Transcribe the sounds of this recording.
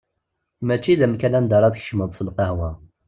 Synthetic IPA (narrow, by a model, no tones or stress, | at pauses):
mæt͡ʃːiðæmkælænd̪ɑɾˤɑðçə̥ʃməðˤsəlqɑhwæ